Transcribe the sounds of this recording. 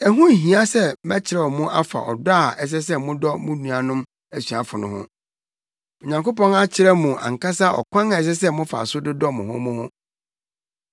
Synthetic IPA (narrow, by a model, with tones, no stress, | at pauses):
ɛ˨ɦʊ̃˦˨ɦĩ˨a˦sɛ˦mɛ˦t͡ɕʰɪ˨ɾɛ˨ɔ˨mʊ̃˦ʔa˦fa̰˨ʔɔ̰˨da˦˨ɛ˦s̬ɛ˦s̬ɛ˦mʊ̃˦dɔ˦mʊ̃˦nũ˨a˨nʊ̃˦m | æ˨sɥa˨fʊ˨nʊ̃˨hʊ̰̃˦ | ɔ˨ɲã˨ŋko˦pɔ̃˦na˦t͡ɕʰɪ˨ɾɛ˦mũ˨ã̰˨ŋ˨ka˦sa˦ɔ̰˨kʷʰã˦ŋa˨ɛ˨s̬ɛ˦s̬ɛ˦mʊ̃˦fa̰˨sʊ˦dɪ˦dɔ˦mʊ̃˨ɦʊ̰̃˦mʊ̃˦hʊ̃˦